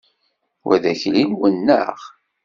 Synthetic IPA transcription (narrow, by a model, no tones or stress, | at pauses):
wæ̰ðæçlimwənːə̰ʁ